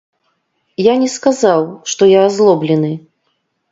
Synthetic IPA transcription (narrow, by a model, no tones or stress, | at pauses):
janʲɛskazawʂt̪ɔjaːzlˠɔblʲɛnɨ